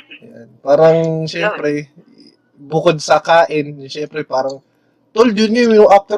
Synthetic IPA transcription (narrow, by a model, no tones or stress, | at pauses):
janpaːɾɐŋʃɛmpɾɛ | bʊkod̪̚sɐkaːʔɪnʃɛmpɾɛpaːɾɐŋ | t̪old͡ʒʊnɪŋnoʔaft̪ɛ